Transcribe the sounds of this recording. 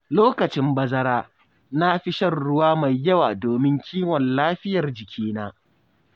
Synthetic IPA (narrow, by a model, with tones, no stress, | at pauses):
loː˦kɐ˨t͡ʃɪ˦mbɐ˦zɐ˦ɾaː˦ | na˦ɸɪ˦ʃɐ˦˨rɽːʊ˦waː˦ma˨jːɐ˦waː˨doː˨mɪ˦ŋkʲʰiː˦wɔ˨nlaː˦ɸɪ˦jɐ˨rd͡ʒɪ˨kʲʰiː˦naː˦